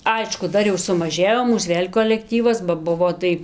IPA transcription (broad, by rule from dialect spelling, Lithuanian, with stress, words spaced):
ˈɐɪʃkʊ ˈdɐr jɛʊ sʊmɐˈʒʲeːjoː ˈmuːs ˈʋʲeːlʲ koːlʲɛkˈtʲiːʋɐs bɐ ˈbʊʋoː tɐɪ